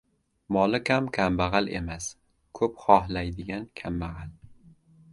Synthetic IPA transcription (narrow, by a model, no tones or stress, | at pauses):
mɒlɪkʰʲamkʲʰambaʁale̞̰mas | kʰɵpχɒɦlajd̪ɪɡʲankʲʰambaʁal